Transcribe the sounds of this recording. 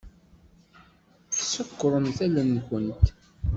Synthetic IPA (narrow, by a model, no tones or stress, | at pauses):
θsəkːɾˤənθælənːkʷənt̪